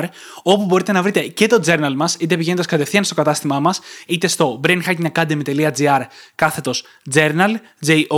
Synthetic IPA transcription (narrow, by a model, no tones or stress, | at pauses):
ɾ | o̞pubo̞ɾit̪e̞nɐvɾit̪e̞ce̞t̪o̞d͡ze̞ɾnɐlmɐsit̪ep̬iʝe̞nnd̪ɐskɐt̪e̞fθiɐnst̪o̞kɐt̪ɐst̪imɐmɐsit̪e̞st̪o̞bɾenxɐcmɲɐkɐd̪emit̪e̞liɐd͡ziɐɾkɐθe̞t̪o̞s | d͡ze̞ɾnɐl | d͡zeʔo